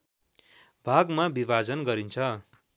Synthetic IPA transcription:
bʱaɡmabibad͡zʌnɡʌɾint͡sʰʌ

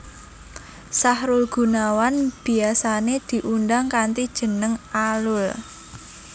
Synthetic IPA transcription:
sahɾʊlɡ̥ṳnawanb̥i̤asaned̪̥i̤ʔundaŋkant̪id̥ʒ̥ə̤nəŋalʊl

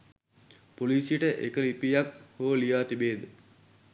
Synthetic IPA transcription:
poliːsijəʈəʔekəlipijak̚hoʋəlijaːt̪ibeːd̪ə

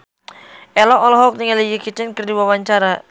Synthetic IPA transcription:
ʔɛlɔʔɔlɔɦɔk̚niŋalijikit͡ʃɛnkərdiwawaɲt͡ʃaɾa

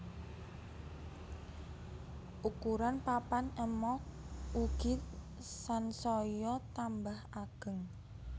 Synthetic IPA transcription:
ʔukuɾanpapanɛmɔ | uɡ̥ɪt̪̚ | sansɔjɔt̪ambahaɡ̥ə̤ŋ

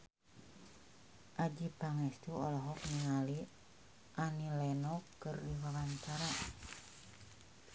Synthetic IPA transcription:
ʔad͡ʒipaŋɛst̪uɔlɔɦɔk̚niŋali | ʔanilɛnɔkərdiwalaɲt͡ʃaɾa

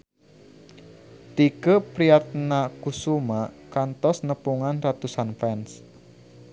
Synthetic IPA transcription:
t̪ikəpɾiat̪̚nakusumakant̪ɔsnəpuŋanrat̪usanfɛns

